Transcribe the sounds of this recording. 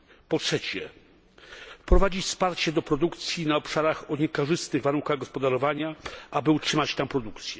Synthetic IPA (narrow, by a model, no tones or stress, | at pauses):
pɔtʂɛt͡ɕɛ | pɾɔvad͡ʑifspaɾt͡ɕɛd̪ɔpɾɔd̪ukt̪sʲjinaɔpʂaɾaxɔɲɛkɔʐɘst̪ɘɣvaɾunkaɣɡɔspɔd̪aɾɔvaɲaabɘutʂɘmat͡ɕt̪ampɾɔd̪ukt̪sʲjɛ